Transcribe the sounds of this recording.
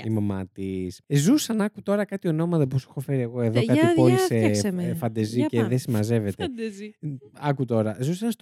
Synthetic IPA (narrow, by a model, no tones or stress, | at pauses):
imɐmɐt̪iszusɐnɐkut̪o̞ɾɐkɐt̪io̞no̞mɐt̪ɐposexo̞fe̞ɾieɣo̞e̞ðokɐiolisefɐnd̪eziceðesimɐze̞ve̞t̪ed̪ | ɐkut̪o̞ɾɐzusɐns